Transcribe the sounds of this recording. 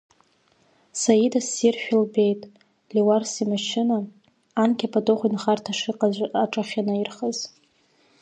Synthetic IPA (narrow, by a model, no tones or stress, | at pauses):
sajidasirʃᶣɪlbe̞jtʼ | liwarsimaʃɪnaː | nkʲʰʼapʰʼadʼoχʷinχartʰaʂɨqʼaaʈ͡ʂʼaχʲanairχəz